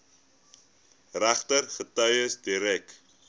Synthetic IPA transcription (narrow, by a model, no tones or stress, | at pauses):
ræχtərχətœjəsdiɾɛk